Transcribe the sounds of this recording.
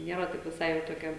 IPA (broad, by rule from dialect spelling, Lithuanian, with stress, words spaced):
ˈnʲiɛrɐ tɐɪp ʋʲɪˈsɐɪ jɛʊ toːˈkʲɛ